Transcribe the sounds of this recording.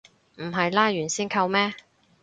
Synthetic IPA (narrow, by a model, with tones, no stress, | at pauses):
m̩˨˩ɦɐ˨jlaː˥jyː˨˩nsiː˥nkʰɐ˧wmɛː˥